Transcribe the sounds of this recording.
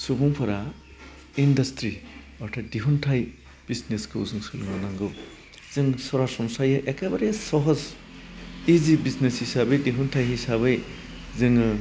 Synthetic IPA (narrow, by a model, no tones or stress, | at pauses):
subuŋpʰɔɾa | indʌstɾi | ɔʈʰadiɦuntʰaj | b̥izneskʰɯzɯŋsɯluŋanaŋɡɯw | z̥ɯŋsɔɾasɔmsajɯʔekabaɾesɔɦɔz | izibisneshisabejdiɦuntʰajɦisaβej | zɯŋ